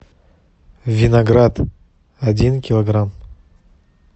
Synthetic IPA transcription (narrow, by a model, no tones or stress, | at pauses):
vʲinaɡrad̪ | adʲinkʲilˠoɡram